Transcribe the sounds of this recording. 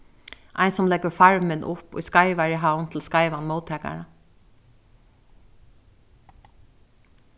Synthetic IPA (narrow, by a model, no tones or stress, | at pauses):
ʔa̰ɪnsʊmlɛɡəɹfaɹmɪnʔʊpʊ̰jskaɪʋaɹiɦawnt̪ʰɪl̩skaɪʋanmoʊt̪ʰɛːka̰ɹa